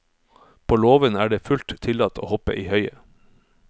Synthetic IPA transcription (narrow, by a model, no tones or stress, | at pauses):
pʰoːloːʋənæːɖeːfʉlt̪t̪ʰɪlɑt̪ʰo̰ːhɔpə̰ʔiːhœʏə